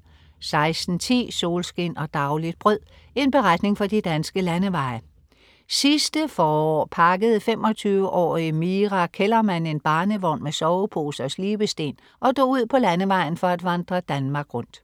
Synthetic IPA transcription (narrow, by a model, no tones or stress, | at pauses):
sɑ̈ɪsd̥n̩t͡sʰḭːso̝ːlsɡ̥e̝nɒ̽d̥ɑ̈ʊlid̥̚b̥ʁœð̰ˠ | e̝nb̥e̝ʁad̥ne̝ŋfɒ̽d̥id̥ænsɡ̥əlænəʋɑ̈ɪ | sisd̥əfɒːɒ̰ːpʰɑ̈ɡ̥əð̞̩ˠfem̰ɒ̽t͡sʰyːʊəʔɒ̰ːimiːʁɑkʰelɐmæn̰e̝nb̥ɑ̈ːnəʋɒnmesɒʊpʰo̝̰ːsɒ̽sliːb̥əsd̥e̝̰ːn | ʔɒ̽d̥o̰ːuð̞̰ˠpʰɒ̽lænəʋɑ̈ɪ̰n̩fɒ̽æd̥ʋɑnd̥ʁɐd̥ænmɑ̈ːɡ̥ʁɔ̽n̰d̥